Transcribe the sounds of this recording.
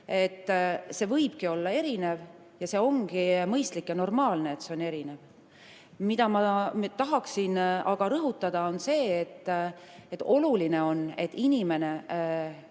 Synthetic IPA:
e̞t̪ːse̞vɤjb̥̚kio̞lːɑe̞ɾine̞v | jɑse̞ːo̞ŋɡ̥imɤjst̪likjɑno̞rmɑːlne̞et̪se̞one̞ɾine̞v | mid̪̥ɑmɑt̪ɑɦɑksinɑɡ̥ɑɾɤɦut̪ˑːɑd̪̥ɑo̞nse̞ːt̪ː | et̪ːo̞luline̞o̞ne̞t̪ːˑinʲime̞ne̞

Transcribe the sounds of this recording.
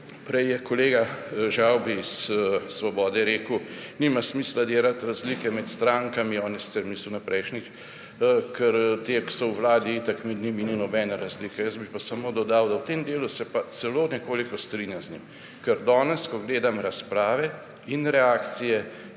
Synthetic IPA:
pɾɛjjɛkɔleːɡaʒawbisːʋɔbɔːd̪ɛɾeːkunimasmiːslad̪eːlat̪ɾazlikɛmɛt̪st̪ɾaŋkamiɔːnisi̥t̪sɛɾmiːsuwnapɾʔɛjʃnit͡ʃ | kʰɛɾt̪eksɔwʋlaːd̪iit̪akmɛd̪nimininɔbɛnaɾazliːkɛjəzbipasamoːd̪ɔd̪awd̪awt̪eːmd̪eːlusɛpasɛloːnɛkoːlikɔst̪ɾiːnjamznʲḭm | kɛɾd̪ɔːnɛskɔɡleːd̪amɾaspɾaːʋɛ | inɾɛaːkt̪sijɛ

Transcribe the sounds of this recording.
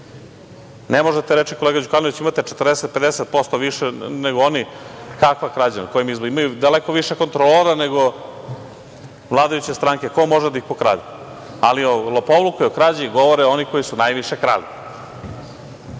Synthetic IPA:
nemoʒet̪eɾet͡ʃikoleɡad͡ʑukanoʋit͡ɕimat̪et͡ʃet̪rd̪eset̪̚ped̪eset̪̚post̪oʋiʃeneɡoonikakʋakɾad͡ʑa̰nakojimizmoimajud̪alekoʋiʃeko̞nt̪ɾoloɾaneɡo̞ | ʋlˠaːd̪ajut͡ɕest̪ɾaːŋke̞ko̞mo̞ʒed̪aixpokɾa̰ːd̪i | aliolopoʋlukojeokɾaːd͡ʑiɡo̞ʋoɾeo̞niko̞jisunajʋiʃekɾa̰ːli

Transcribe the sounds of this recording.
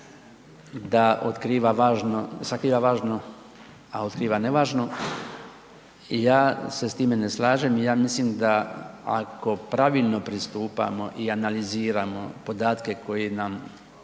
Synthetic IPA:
d̪aʔot̪kɾiːʋaʋaːʒnosakɾiːʋaʋaːʒno | ao̞t̪kɾiːʋaneʋaːʒno̞ | ijaːse̞st̪iːme̞neslaːʒemijaːmislimd̪aa̰ko̞pɾaʋilno̞pɾist̪uːpa̰mo̞ʔianaliziːɾamo̞̰po̞d̪aːt̪ke̞ko̞jinam

